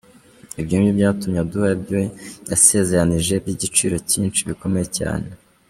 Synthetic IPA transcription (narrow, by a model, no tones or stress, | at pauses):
ibjuːmjibɟaːtumɲaduabjojase̞ːze̞ɾaniʒe̞bɟiɟit͡ʃiɾo̞ciːnt͡ʃiβiko̞me̞jeca̰ːne